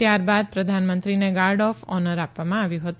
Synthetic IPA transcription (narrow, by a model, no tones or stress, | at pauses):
jaɾbad̪̚pɾəd̪ʱanmənt̪ɾineɡaɾɖɔfɔnəɾapʋamãaʋjũɦət̪u